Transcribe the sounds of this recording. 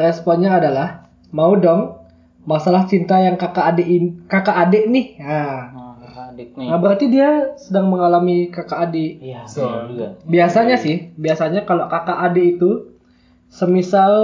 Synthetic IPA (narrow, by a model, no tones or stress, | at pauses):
rɛspɔnɲaːdalah | maudɔŋ | masalaht͡ʃint̪ajaŋkakaʔːdeʔkakaʔːdeʔnɪha | nabəɾart̪idiasədaŋməŋalamikakaʔːde | biasaɲasɪhbiasaɲakalokakaʔːdeit̪u | səmisal